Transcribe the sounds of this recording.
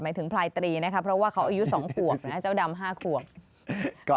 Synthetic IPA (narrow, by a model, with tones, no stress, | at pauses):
maː˩˦jt̪ʰɯ˩˦ŋpʰlaː˧jt̪ɾiː˧na˦˥kʰa˦˥pʰːɾɔ˦˥waː˥˩kʰa˦˥wʔaː˧ju˦˥sɔː˩˦ŋkʰu˨˩ək̚na˦˥˩t͡ɕa˥˩wda˧mɦaː˥˩kʰu˨˩ək̚ | kɔː˩